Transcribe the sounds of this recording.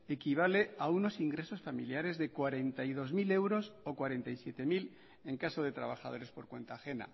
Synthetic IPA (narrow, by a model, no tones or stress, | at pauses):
e̞kiβ̞ale̞auno̞siŋɡɾe̞so̞sfamiljaɾe̞zðe̞kwaɾe̞nt̪ajðo̞zmile̞wɾo̞sokwaɾe̞nt̪ajsje̞t̪e̞mil | e̞ŋkaso̞ðe̞t̪ɾa̰βaxað̞o̞ɾe̞spo̞ɾkwe̞nt̪aːxe̞na̰